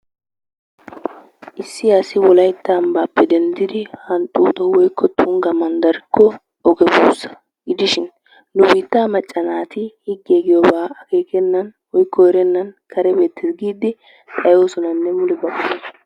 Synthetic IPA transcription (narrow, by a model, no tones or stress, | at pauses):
ʔɪsːɪɐsɪwɔlɐjt̪ːambaːpːɛd̪ɛnd̪ɪd̪ɪhɐnt̪ʼuːt̪ʼɔwɔjkːɔt̪ʰʊŋɡɐmɐnd̪ɐɾɪkːɔ | ɔɡɛbuːsːɐ̥ | ɡɪd̪ɪʃɪnː | ʊbiːt̪ːaːmɐt͡ʃʼːɐnaːt̪ɪhɪɡːeːɡɪjɔbaːɐke̞ːkɛnːɐnwɔjkːɔɛɾɛnːɐnkʰɐɾɛbe̞ːt̪ːɪsɡiːd̪ɪ | t̪ʼɐjoːsɔnɐnːɛmʊlɛbɐkːʊnɐ